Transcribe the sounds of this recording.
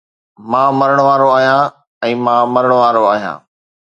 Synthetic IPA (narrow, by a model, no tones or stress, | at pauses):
mãːmɐɾəɽ̃ʋaːɾoaːɦijãː | ɛ̃ːmãːmɐɾəɽ̃ʊʋaːɾoaːɦijã̰ː